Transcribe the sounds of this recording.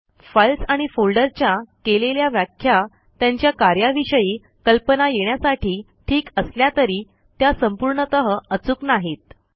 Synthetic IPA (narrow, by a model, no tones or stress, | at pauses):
fəlsaɽ̃ifolɖəɾt͡ɕjakeleljaʋjakʰja | t̪jaɲt͡ɕjakaɾjaʋiɕəjiː | kəlpənajeɽ̃jasaʈʰiː | ʈʰiːkəsljat̪əɾiː | t̪jasəmpuɾɳət̪əɦəət͡suknaɦit̪̚